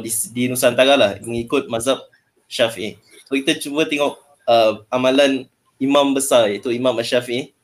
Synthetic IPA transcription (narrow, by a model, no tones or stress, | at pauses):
didinusant̪aɡalahməŋikʊt̪̚mazap̚ | ʃafiʔi | sokit̪at͡ʃubət̪ɛŋɔk̚ | əmamãlan | imãmbəsajaʔit̪uimãmaʃafiʔi